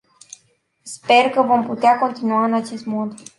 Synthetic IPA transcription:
spe̞rkəvo̞mput̪eako̞nt̪inuaɨnat͡ʃe̞st̪mo̞d̪

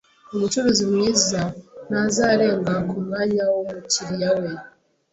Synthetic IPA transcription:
omut͡ʃoβezimŋiːzanazaɾe̞ːŋɡakumɡaɲawomuciɾijawe

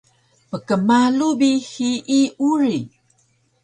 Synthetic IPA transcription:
pəkəmalubixiʔːuɾi

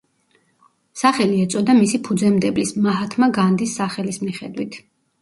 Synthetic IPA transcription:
saχɛliɛt̪sʼɔd̪amisipʰud̪zɛmd̪ɛblismaɦat̪ʰmaɡand̪isːaχɛlismiχɛd̪wit̪ʰ

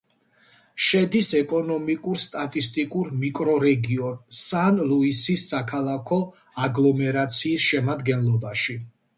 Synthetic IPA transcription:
ʃɛd̪isɛkʼɔnɔmikʼuɾst̪ʼat̪ʼist̪ʼikʼuɾmikʼɾɔɾɛɡiɔnsanluisisːakʰalˠakʰɔ | aɡlˠɔmɛɾat̪sʰiːsʃɛmad̪ɡɛnlˠɔbaʃi

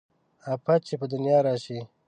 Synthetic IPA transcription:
apat͡ʃʰepəd̪ʊnjɑːɾɑːʃi

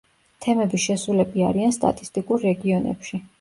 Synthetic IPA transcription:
t̪ʰɛmɛbiʃɛsulɛbiaɾianst̪ʼa̰t̪ʼi̥st̪ʼikʼuɾːɛɡiɔnɛ̰pʃi

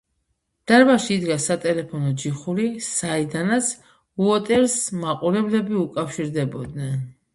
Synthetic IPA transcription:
d̪̥aɾbaʃiːd̪ɡasat̪ʼɛlɛpʰɔnɔd͡ʒiχuɾisaid̪anat̪sʰ | uɔt̪ʼɛlsmaqʼuɾɛblɛbiukʼafʃiɾd̪ɛbɔd̪nɛn

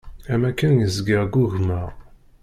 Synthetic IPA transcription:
æmækːənjəzɡiʁɡuʝmæʁ

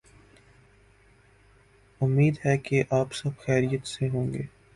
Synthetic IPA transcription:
ʊmːiːd̪ɦɛkeʔaːpsɐbxɛːɾijət̪seɦõːŋɡeː

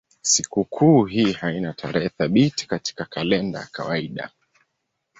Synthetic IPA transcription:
sikukʰuːɦiːhainatʰaɾɛhɛθaɓiti̥kati̥kakalɛnda̰ja̰kawaiɗa̰

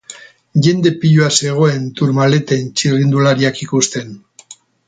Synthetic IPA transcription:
ʝe̞nd̪e̞piʎuase̞ɣ̞o̞e̞nt̪uɾmale̞t̪e̞nt͡ʃirind̪ulaɾiakikust̪e̞n

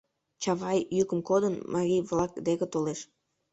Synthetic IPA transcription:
t͡ɕɑβɑjjykəmkod̪ənmʔɑɾʲijβlɑkd̪ekət̪oleʃ

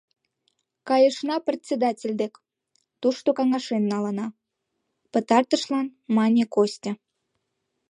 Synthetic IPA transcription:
kɑjəʃnɑprʲet̪ʲsʲed̪ɑtʲelʲd̪ek | t̪uʃt̪okɑŋɑʃenːɑlə̆nɑ | pət̪ɑrt̪əʃlɑnmɑnʲekosʲtʲə̆

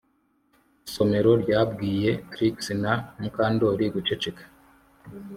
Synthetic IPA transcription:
iso̞me̞ɾo̞ɾjaːbɡiːje̞ɾiksinanuŋkaːndoːɾiɡut͡ʃet͡ʃikḁ

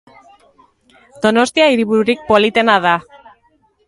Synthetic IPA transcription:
d̪̥o̞no̞st̪iaiɾiβuɾuɾik̚po̞lit̪e̞naða

